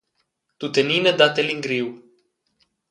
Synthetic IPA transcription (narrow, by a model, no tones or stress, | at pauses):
t̪ut̪enined̪at̪eliŋɡɾiw